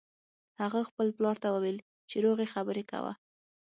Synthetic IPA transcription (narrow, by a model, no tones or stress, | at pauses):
haɣaxpəlplɑɾt̪awəwel | t͡ʃeɾoɣexabəɾeka̰wa̰